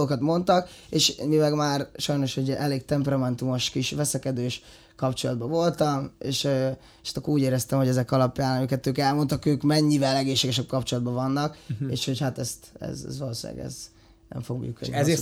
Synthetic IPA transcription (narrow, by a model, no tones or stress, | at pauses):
okɒt̪mo̞nt̪ɒkeːʃmimɛɡmaːrʃɒjno̞ʃhoɟɛleːk̚t̪ɛmpɾɒmɛnt̪umo̞ʃkiʃʋɛsɛkɛd̪øːʃ | kɒpt͡ʃolɒd̪̚bɒvo̞lt̪ɒmḛːʃø | eʃḁt̪ɒkːouːɟeːɾɛst̪ɛmhoɟɛzɛkɒlɒpjaːnɒmikɛt̪øːkɛlmo̞nt̪ɒkøːkmɛɲːivɛlɛɡeːʃːeːɡɛʃɛb̚kɒpt͡ʃolɒd̪bɒvɒnːɒkeːʃho̞chat̪ɛst̪ɛ̰zɛ̰zʋɒloːsḭɛ̰ɡɛ̰z | nɛ̰ɱfo̞ɡ̚my̰ːkø̰d̪̰z